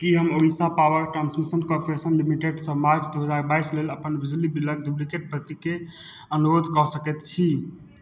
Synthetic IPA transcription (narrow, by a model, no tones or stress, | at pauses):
kiɦəmoisãpawəɾʈɾansmisənkɔɾpɾesənlimiʈeɖsəmaɾd͡ʒd̪oɦəd͡ʒaɾbajsleləpənbid͡ʒlibiləɡ̚d̪ublikeʈ̚pət̪ike | ənuɾod̪ʱkɔsəkɛt̪t͡ʃʰi